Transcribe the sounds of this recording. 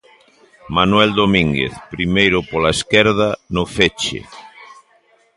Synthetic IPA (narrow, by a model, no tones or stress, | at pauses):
manwɛld̪omĩŋɡḛθpɾimejɾʊpolaeskɛɾðanʊfet͡ʃḛ